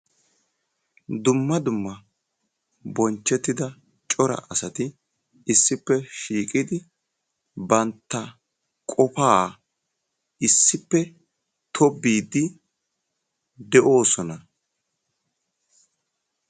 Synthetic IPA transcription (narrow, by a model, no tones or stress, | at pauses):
d̪ʊmːɐd̪ʊmːɐ | bɔnt͡ʃːɛt̪ːɪd̪ɐ | t͡ʃʼɔɾɐ̰ʔɐsɐt̪ɪ | ɪsːɪpːɛʃiːkʼɪd̪ɪ | bɐnt̪ːɐ | kʼɔpaː | ɪsːɪpːɛ | t̪ʰɔbːiːd̪ːɪ | d̪ɛʔo̞ːsɔnɐ